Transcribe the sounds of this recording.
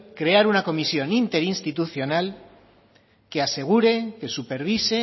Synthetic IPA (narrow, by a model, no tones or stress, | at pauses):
kɾe̞aɾunako̞misjo̞nint̪e̞ɾinst̪it̪uθjo̞nal | ke̞ase̞ɣ̞uɾe̞kesupeɾβ̞ise